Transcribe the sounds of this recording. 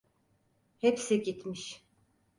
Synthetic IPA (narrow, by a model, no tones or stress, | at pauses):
hɛpsiɟit̪ʰmiʃ